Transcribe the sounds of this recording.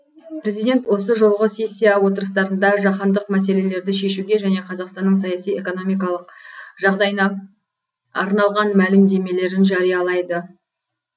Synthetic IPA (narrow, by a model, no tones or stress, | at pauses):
pʰɾe̞zijd̪ʲe̞nt̪wo̞səʒo̞lˠʁəse̞sʲːijawo̞t̪əɾəst̪ɑɾənd̪ɑʒɑχɑnd̪əqmæse̞le̞le̞ɾd̪ɪʃe̞ʃuɡʲe̞ʒæne̞qʰɑzɑqst̪ɑnːəɴsɑjɑsije̞ko̞no̞mijk̬ɑlˠəq̚ʒ̥ɑʁd̪ɑjnɑ | ɑ̰ɾnɑlˠʁɑnmælɪmd̪e̞me̞le̞ɾɪnʒɑɾijɑlˠɑjd̪ə